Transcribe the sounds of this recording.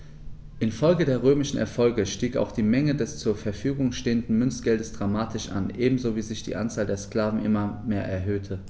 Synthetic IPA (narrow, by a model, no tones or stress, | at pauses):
ʔɪnfɔlɡədeːɐʁ̞øːmɪʃn̩ɛ̰ɐfɔlɡəʃtiːka̰ʊxd̥iːmɛŋədɛst͡suːɐfɛɐfyːɡʊŋʃteːəndn̩mʏnsɡ̥ɛldəsd̥ʁamaːtʰɪʃʔa̰nʔeːbm̩zoːviːzɪçd̥ḭːʔa̰nt͡saːldeːɐskl̥aːvn̩ʔɪmɐmeːɐʔɛɐɦøːtʰə